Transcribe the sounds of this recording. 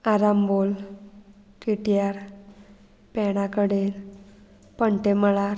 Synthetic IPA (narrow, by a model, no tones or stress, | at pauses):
aɾambol | ʈiʈijaɾ | pɛɽ̃akəɽel | pəɳʈeməɭaɾ